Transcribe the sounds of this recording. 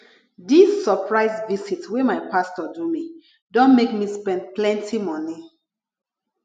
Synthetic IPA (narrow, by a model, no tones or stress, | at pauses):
disːɔpɹaɪsvisitwemaɪpastɔdumi | dɔ̃nmekmispɛ̃nd̚plɛ̃ntʰimɔni